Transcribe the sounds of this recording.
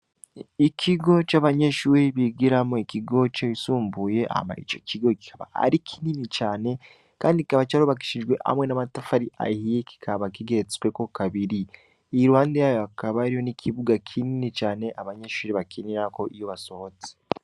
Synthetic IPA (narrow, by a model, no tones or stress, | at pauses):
ikʰiɡo̞t͡ʃaːβaɲeʃuːɾiβiɡiɾamoikiɡo̞t͡ʃoisuːmbuje̞ʔa̰ma̰ḭt͡ʃo̞̰ciɡo̞ki̥kʰaβa̰ha̰ɾikʰininit͡ʃaːne̞ | kaːndikikaβat͡ʃaɾuβak̬i̥ʃid͡ʒɡwe̞ʔa̰mŋe̞namatafaɾiʔa̰hijeki̥kʰaβakiɡeɾet͡skwe̞ko̞kaβiɾi | iɾuhaːndejaːjoakaβaɾijo̞nikʰiβuɡakʰininit͡ʃaːne̞ʔaβaɲeʃuːɾiβakʰiniɾako̞ʔijoβaso̞βo̞t͡se̥